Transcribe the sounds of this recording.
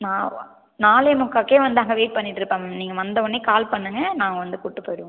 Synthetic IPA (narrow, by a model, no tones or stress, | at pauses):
nãː | naːljmʊkːaːkːeːʋɐnd̪aːŋɡɐʋeːʈ̚pɐɳːɪʈːɪɾɯpːaːŋɐniːŋɡɐʋɐnd̪ɐɔɳːeːkaːlpɐɳːɯŋɡɐnaːŋɡɐʋɐnd̪ɯkʊʈːɯpoːjɪɽɯʋ̃